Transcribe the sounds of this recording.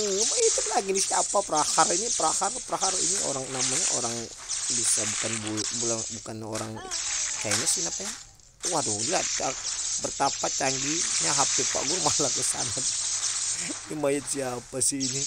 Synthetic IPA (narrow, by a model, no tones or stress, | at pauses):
mait̪əlaɡinisiapapəɾaharinipəɾaharpəɾaɦarḭnio̰ɾaŋnamaɲa̰ʔo̰ɾaŋ | bisabukanbubulabukano̰ɾaŋkaanasinapaɲa | wadolat͡ʃabərt̪apat͡ʃaŋɡiɲaɦapipa̰ɡʊrmalakəsa̰nat | nimajət̪siapasiːni